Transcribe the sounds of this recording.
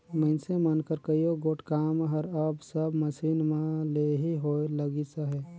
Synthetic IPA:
mə̃ɪnsemənkəɾkəjoɡoːʈʰkaːmɦəɾəbsəbməsiːnmẽleɦiɦoeləɡisaɦɛː

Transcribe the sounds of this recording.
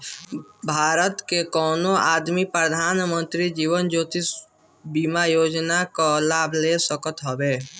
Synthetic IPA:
bʱaːɾət̪kekɔːnoaːd̪mipɾəd̪ʱaːnmə̃nt̪ɾid͡ʒiːwənd͡ʒoːt̪is | bimajoːd͡ʒnakalaːbʱlesəkət̪ɦəbeː

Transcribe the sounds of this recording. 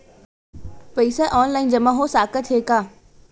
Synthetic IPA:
pɐisaʔɔːnlaːɪnd͡ʑɐmãɦosaːkət̪ʰeːkaː

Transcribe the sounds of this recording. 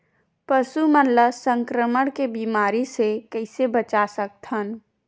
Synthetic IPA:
pəsumənləsə̃ŋkɾəməɽ̃kebiːmaːɾisekəɪsebət͡ʃasək̚t̪ʰən

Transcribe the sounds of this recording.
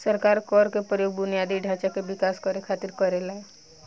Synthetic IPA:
səɾkaːɾkɔːɾkepɾəjoːɡbʊnijaːd̪iɖʱaːt͡ʃakebɪkaːskɔɾekʰaːt̪ɪɾkɔɾelaɛ

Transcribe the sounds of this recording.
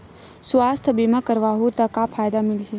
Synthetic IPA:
swaːst̪ʰəbimakəɾʋaːɦut̪ɐkapʰaːjd̪amili

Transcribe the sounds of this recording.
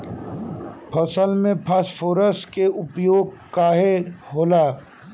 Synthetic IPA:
pʰɐsəlmẽpʰɐspʰoːɾəsʈkeʊpjoːɡ̚kaːɦeɦoːlaː

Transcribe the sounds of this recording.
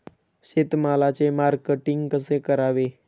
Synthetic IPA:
ɕet̪malat͡semaɾkeʈiŋɡkəsekəɾaʋe

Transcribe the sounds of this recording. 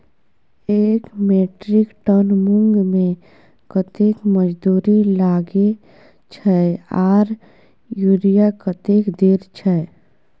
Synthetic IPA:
eːkmeʈɾɪkʈənmʊŋɡmẽ | kət̪ekməd͡ʒd̪uːɾilaːɡe | t͡ʃʰɛaːɾ | juɾijakət̪ekd̪eːɾt͡ʃʰɛ

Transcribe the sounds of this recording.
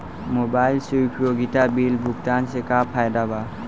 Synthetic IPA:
mɔbajlsujpʰɾoɡitabilbʱuk̚tansekapʰajdaba

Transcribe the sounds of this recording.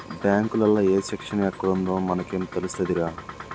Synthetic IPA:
bjaːŋkulɐlːaeːsekʂɐnɐɛkːɐɽund̪o̞ːmɐnɐke̞ːmt̪e̞lust̪ɐd̪iɾaː

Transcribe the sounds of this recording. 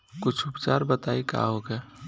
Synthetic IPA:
kʊt͡ʃʰʊpt͡ʃaːɾbət̪aːika̰ɦokɛ

